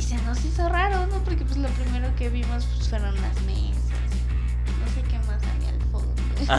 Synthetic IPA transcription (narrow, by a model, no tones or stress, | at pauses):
isenosisoraɾonopoɾkep̬wezlo̞pɾime̞ɾo̞ke̞βimo̞spe̥sfweɾonla̰zmesa̰s | nose̞ke̞masa̰lḭa̰lfo̰no